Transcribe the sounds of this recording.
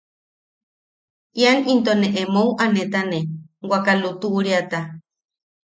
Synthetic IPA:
ʔjanint̪oneʔemowʔanet̪anewʷakalut̪uʔɾiat̪a

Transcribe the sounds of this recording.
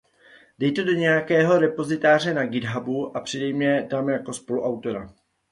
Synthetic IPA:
dɛjt̪odoɲɛjakɛːɦo̞ɾɛpo̞zɪt̪aːr̝ɛnaɡɪdɦabuʔapr̝̥ɪdɛjmɲɛt̪amjako̞spo̞luʔawt̪o̞ɾa

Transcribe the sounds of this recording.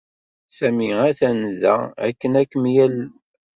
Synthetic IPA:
sæmiæθænðæ̰æ̰kːənækːəmjæl

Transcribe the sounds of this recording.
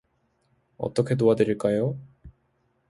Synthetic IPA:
ʌ̰t̪͈ʌkʰet̪̬oad̪eɾiɭkajo

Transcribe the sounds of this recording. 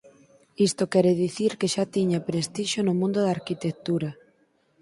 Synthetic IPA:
ist̪okɛɾeðiθiɾkeʃat̪iɲapɾest̪iʃonʊmũnd̪ʊðaɾkit̪ek̚t̪uɾa

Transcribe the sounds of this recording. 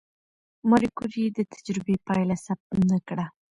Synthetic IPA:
maɾikuɾid̪ət̪ʰḁd͡ʒɾɪbepɑjlasab̚t̪nakɽa

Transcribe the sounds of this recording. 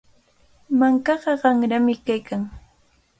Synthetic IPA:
maŋkɑɢɑɢɑŋɾamɪkajkaŋ

